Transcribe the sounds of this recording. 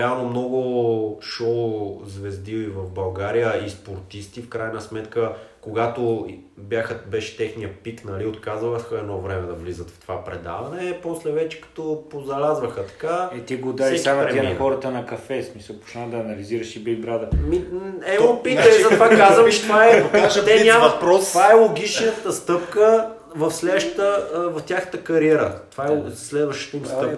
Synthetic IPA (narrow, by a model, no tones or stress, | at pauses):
ɛalˠnomnɔɡʊʃɔzvɛzd̪ivivɐvbɐlˠɡaɾijəispoɾt̪ist̪ifkɾajnəsmɛt̪kəkoɡat̪objaxəbɛʃɛ̥t̪ɛxnijəpit̪nɐliot̪kazəxəɛd̪nɔvɾɛmɛd̪ɐvlizət̪ft̪ovapɾɛd̪a̰vɐnɛpɔslɛvɛt͡ʃɛ̥kɐ̥t̪opozɐlʲazvəxət̪ɐ̥kaɛt̪iɡod̪asiɛk̪amɾɛixɔɾət̪ənɐkɐfɛsmisəlˠpo̥ʃnad̪ɐːnɐliziɾəʃibɛlɡɾad̪ɐmiɛɔpit̪əlizɐt̪vakazvəmt͡ʃɛ̥t̪ovaɛvɐpɾɔst̪ɛɲʲampɾɔovaɛlˠoɡit͡ʃnət̪əst̪ɤpkə | vɐfslɛd̪ʃt̪əvɐft̪ʲjaxnət̪əkɐɾiɛɾə̰t̪ovaɛslɛd̪vəʃt̪ə̥t̪imst̪ɤp